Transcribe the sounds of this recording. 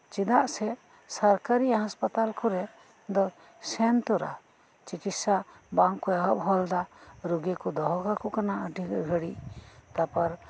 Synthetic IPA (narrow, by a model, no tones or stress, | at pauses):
t͡ʃid̪aʔsɛ | saɾkaɾiɦãspat̪alkɔɾɛ | d̪ɔ | sɛnt̪ɔɾa̰ | t͡ʃikit̪sa | bãŋkːɔjaɦɔʔɦɔld̪aɾoɡekɔd̪ɔɦɔkakɔkanaəʈiɡʱəɽiʔt̪apaɾ